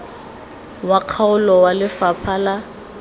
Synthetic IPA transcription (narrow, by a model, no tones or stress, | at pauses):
waq͡χʰaʊlɔwalɪfapʰala